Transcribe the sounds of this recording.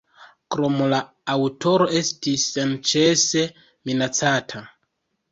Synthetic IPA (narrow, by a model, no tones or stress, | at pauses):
kɾomolaː | wtʰo̞ɾo̞ʔe̞stisːent͡ʃe̞se̞ | minat͡satʰa